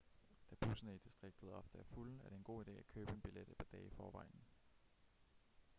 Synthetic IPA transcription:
d̥æb̥usənəid̥isd̥ʁeɡ̥̚d̥ð̩ˠɒ̽fd̥əæɐfulæɐɾe̝e̝nɡ̥o̝̰ːid̥e̝̰ːækʰø̰ːb̥əe̝nb̥iled̥pʰɒd̥ɛːɪfɒːʋɑ̈ɪ̰nn̩

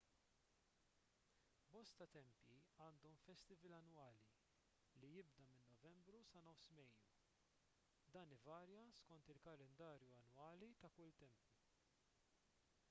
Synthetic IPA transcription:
bɔst̪ɐt̪ɛmpjiɐːnd̪ɔmfɛst̪ɪvɛlɐnːwɐːli | lijɪbd̪ɐmɪnːɔvɛmbɾusɐnɔfsmɛjːu | d̪ɐːnɪvɐːɾjɐskɔnt̪ɪlkɐlɛnd̪ɐːɾjuɐnwɐːlit̪ɐkʊlt̪ɛmpju

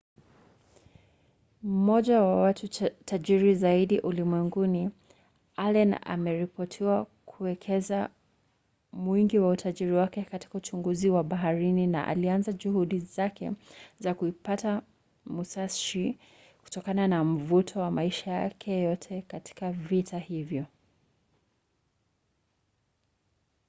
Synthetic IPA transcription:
mm̩mɔʄawawatutʰaʄiɾizaiɗiʔulimwɛŋɡuni | alɛna̰mɛɾipɔtʰiwakʰuwɛkʰɛza | mwiŋɡiwautʰaʄiɾiwakɛkati̥kaut͡ʃuŋɡuziwaɓaɦaɾinina̰ʔa̰lianzaʄuhuɗizakɛ̰zakuipata | musaʃi | ku̥tɔkananam̩vutʰɔwamaiʃaja̰kʰɛjɔtʰɛkati̥kavitahivjɔ

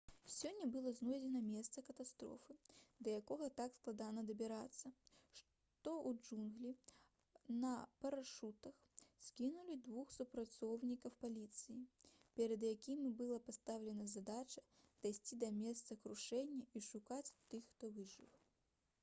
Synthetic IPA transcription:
sʲɔnʲːɐbɨlˠɔznɔjd͡zʲɛnɐmʲɛst̪sɐkɐt̪ast̪ɾɔ̰fɨd̪ɐjakɔɣɐt̪aksklˠad̪anɐd̪ɐbʲɛɾat̪sːɐʂ | t̪ɔʔud͡ʐunɣlʲi | nɐpɐɾaʂut̪ɐxsʲkʲinulʲid̪vuxsupɾat̪sɔwnʲikɐwpalʲit̪sɨjipʲɛɾɐd̪jakʲimʲibɨlˠɐpast̪awlʲɛnɐzad̪at͡ʃɐd̪̥ajsʲt͡sʲid̪ɐmʲɛst̪sɐkɾuʂɛnʲːɐiʂukat͡sʲt̪ɨxxt̪ɔvɨʐɨ̰w

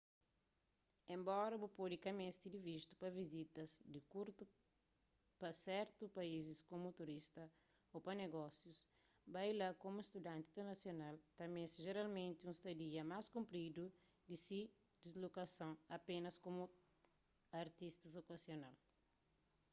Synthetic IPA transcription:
ẽmbɔɾɐbupod̪ikɐmẽst̪id̪ivist̪u̥pɐvizit̪ɐzd̪ikuɾt̪u | pɐsɛɾt̪upɐiziskomut̪uɾist̪ɐ | opɐneɡɔsjus | bajlakomuest̪ud̪ãnt̪ĩt̪eɾnɐsjonalt̪ɐmẽsiʒeɾalmẽnt̪iũst̪ɐd̪iɐmaskũmpɾid̪u | d̪isi | d̪izlokɐsɐ̃w̃ɐpẽnɐskomu | ɐɾt̪ist̪ɐzokɐsjonal

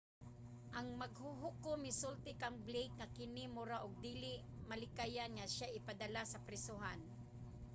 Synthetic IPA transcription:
ʔɐŋmaɡhʊɦʊkʊmɪsʊlt̪ɪkaŋblejk̚ŋakɪnɪmʊɾaʔʊɡ̚d̪iːlɪʔmalɪkajanŋaʃaʔɪpad̪alasɐpɾɛsʊɦan

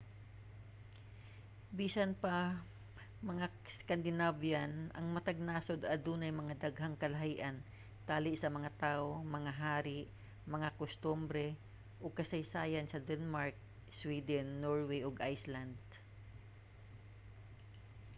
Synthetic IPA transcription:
biːsɐnpa | mɐŋa | skand̪ɪnavjanʔɐŋmɐt̪ɐɡ̚naːsod̪ɐd̪uːnɐjmɐŋad̪aɡhaŋkɐlɐɦiːʔɐn | t̪aːlɪʔsɐmɐŋat̪aːʔomɐŋaɦaːɾɪʔ | mɐŋakʊst̪umbɾɛ | ʔoɡ̚kɐsɐjsaːjansɐd̪ɛnmaɹk̚ | swiːd̪ɛnːoɹwɛjʔoɡʔajsland̪̚

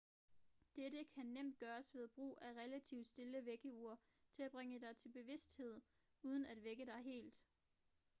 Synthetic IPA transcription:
d̥eɾəkʰænem̰d̥̚ɡ̥ɶːɐsʋe̝ð̞̩ˠb̥ʁṵːæʁɛlæt͡sʰiʊd̥sd̥e̝ləʋeɡ̥əuɐ̰ | t͡sʰe̝æb̥ʁeŋəd̥ɑ̈ɪt͡sʰe̝lb̥e̝ʋe̝sd̥he̝ð̞̰ˠ | uːð̞ˠən̩æd̥ʋeɡ̥əd̥ɑ̈ɪɦe̝̰ːld̥

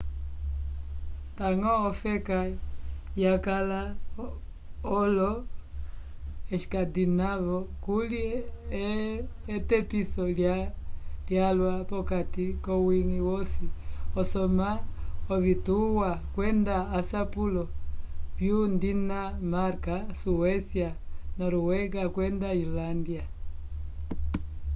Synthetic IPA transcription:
taŋɔɔfɛkajakala | ɔlɔ | ɛʃi̥kadinavɔkuliɛɛtɛpisɔl | ljalwapɔkatikɔwiŋiwɔsiɔsɔmaɔβituwakwɛndaːsapulɔvjundinamaɾkasuɛsianɔɾɔwɛɡakwɛndailandia

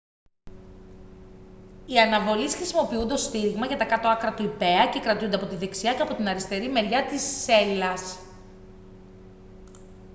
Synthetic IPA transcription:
iɐnɐvo̞lisxɾisimo̞piund̪o̞st̪iɾiɣmɐʝɐt̪ɐkɐt̪o̞ɐkɾɐt̪uipe̞ɐce̞kɾɐt̪iund̪eɐpo̞t̪iðe̞ksiɐceɐpo̞t̪inɐɾist̪e̞ɾime̞ɾʝɐt̪isːe̞lɐs

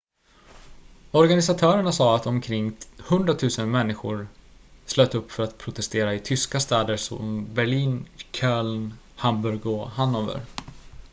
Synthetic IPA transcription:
ɔɾɡanɪsat̪ʰœːɾəɳasɑːat̪ɔmkʰɾɪŋːhɵnd̪ɾat̪ʰʉ̟ːsənmɛnːɪɧʊɾsløːt̪ɵpːfœɾat̪pʰɾʊt̪ʰɛst̪eːɾaɪt̪ʰʏskast̪ɛːd̪əɾsɔ̰mbæɭiːnkʰœːln | hambɵɾɡɔhanːoːvə̰ɾ

